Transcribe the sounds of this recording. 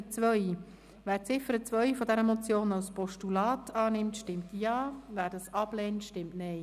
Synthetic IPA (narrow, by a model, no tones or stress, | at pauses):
ət͡svœʏ | væːɾt͡sɪfəɾət͡sʋœʏfɔdɛɾəmɔt͡sjoːnalspɔʃtulɑːtʰɑːnɪmtʃtɪmtjɑːvæːɾdɑsɑb̥lɛːntʃtɪmtnɛj